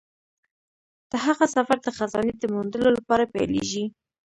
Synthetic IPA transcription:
d̪̥əɦaɣasafaɾd̪əxazɑ̰ned̪əmund̪əlolapɑɾapa̰jlḛʒi

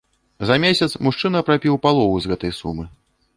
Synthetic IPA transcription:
zɐmʲesʲɐt̪smuʂt͡ʂɨnɐpɾapʲiwpalˠɔvuzɣɛt̪ɐjsumɨ

